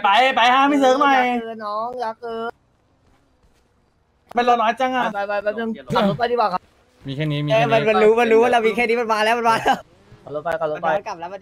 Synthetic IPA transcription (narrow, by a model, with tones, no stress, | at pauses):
pa˨˧˩jpa˨˩jhaː˧˩mi˧˩sɤː˨˦ŋma˧˩jnɔː˦˥ŋjaː˨˩k̚ɯː˧˩ | ma˧nlo˧˩t̪̚aː˧˥t͡ɕa˧˩ŋʔa˧˩a˧˩a˧˩ja˧˩nɯ˧˨ŋka˨˩lo˨˧˥a˧t̪ʰi˧˩waː˧˩kʰa˧˥ | miː˧kʰɛː˥˩niː˦mi˧ɛː˧˩a˧˦nma˧nɾuː˦˥ma˧nɾuː˦˥ma˧˩la˧˩miː˧kʰɛː˧˩niː˦˥ma˧˩nmaː˧lɛː˦˥wma˧maː˧lɛː˦˥˩ | a˧˩˨o˧˦˥pa˧˩jka˨˩˨so˧˦pa˧˨˧nka˨˩p̚lɛː˦˥wma˧˩˧